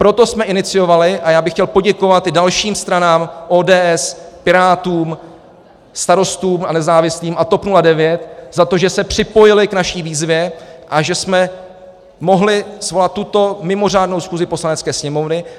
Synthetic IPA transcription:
pɾo̞t̪o̞smɛʔɪnɪt͡sɪjo̞valɪʔajaːbɪxcɛlpo̞ɟɛko̞vat̪dalʃiːmst̪ɾanaːmʔoːdɛːʔɛspɪɾaːt̪uːm | st̪aɾo̞st̪uːmʔanɛzaːvɪsliːmʔat̪o̞pnuladɛvjɛt̪zat̪o̞ʒɛsɛpr̝̥ɪpo̞jɪlɪknaʃiːviːzvjɛʔaʒɛsmɛ | mo̞ɦlɪsvo̞lat̪̚ːut̪o̞mɪmo̞r̝aːdno̞wsxuːzɪpo̞slanɛt͡skɛːsɲɛmo̞vnɪ

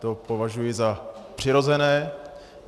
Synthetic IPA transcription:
t̪o̞po̞vaʒujɪzapr̝̥ɪɾo̞zɛnɛː

